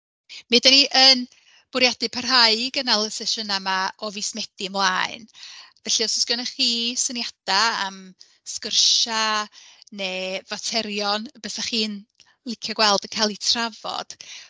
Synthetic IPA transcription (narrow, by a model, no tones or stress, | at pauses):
mɨdaniʔən | b̥ʊɾjadɪpʰarɦaɨɡənalˠəsɛʃənamaɔvismɛd̥iəmlˠaːɨnvɛɬiɔsʊskjɔnəχiːsənjad̥aam | skərʃa | neːvatʰɛɾjɔnbɛsaχiːn | lˠɪkʰjɔɡwɛlˠdənkʰajlˠitʰravɔ̰d̥